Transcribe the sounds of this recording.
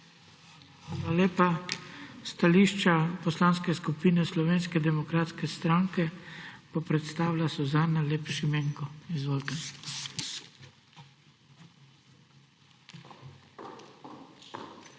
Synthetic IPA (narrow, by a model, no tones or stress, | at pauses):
xaːlaleːpa | st̪aliʃt͡ʃapɔslaːnskɛskupinɛslɔʋeːnskɛd̪ɛmɔkɾaːt̪skɛst̪ɾaŋkɛpɔpɾɛt̪st̪aːwlʲasɔzaːnaleːpʃimeːŋkɔizʋoːlt̪ɛ